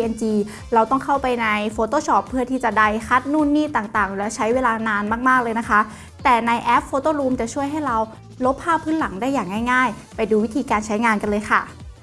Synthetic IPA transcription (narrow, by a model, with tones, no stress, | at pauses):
iː˧e˧nt͡ɕiː˧ | ɾa˧wt̪ɔ˥˩ŋkʰa˥˩wpa˧jna˧jfoː˧t̪oː˥˩ɕʰɔː˧˩pʰːɯ˥˩ɐt̪ʰiː˥˩t͡ɕa˨˩da˧˩jxʰa˦˥t̪̚nuː˥˩nːiː˥˩t̪aː˨˩ŋt̪aː˨˩ŋlɛ˦˥wt͡ɕʰa˦˥jweː˧laː˧naː˧nmaː˥˩k̚maː˥˩k̚lɤː˧jna˦˥kʰa˦˥ʔ | t̪ɛː˨˩na˧jʔɛː˦˥p̚foː˧t̪oː˥˩ɾuː˧mt͡ɕa˨˩t͡ɕʰu˥˩əjɦa˥˩jɾa˧w | lo˦˥p̚ʰːaː˥˩pʰɯː˦˥nla˩˦ŋdaː˥˩jːaː˨˩ŋːa˥˩jŋaː˥˩j | pa˧jduː˧i˦˥t̪ʰiː˧kaː˧nt͡ɕʰa˦˥jŋaː˧nka˧nlɤː˧jkʰa̰˥˩